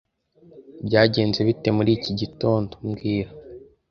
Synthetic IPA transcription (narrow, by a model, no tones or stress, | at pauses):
bɟaːɟe̞ːnze̞βite̞muɾiːciɟito̞ːndomɡiːɾa